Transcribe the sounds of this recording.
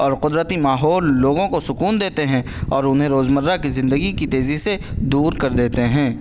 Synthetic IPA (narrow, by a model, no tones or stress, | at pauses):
ɔːɾqʊd̪ɾət̪imaːɦɔːlːoːɡõkosʊkuːnd̪eːt̪eɦɛ̃ | ɔːɾʊnɦẽɾoːzməɾːakizɪ̃nd̪əɡikit̪eːzised̪uːɾkɐɾd̪eːt̪eɦɛ̃ː